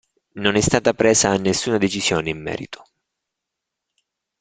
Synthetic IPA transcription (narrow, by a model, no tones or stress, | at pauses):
nonɛst̪aːt̪apɾeːsaːnːesːuːnad̪et͡ʃisjoːneimːɛ̰ːɾḭt̪o̥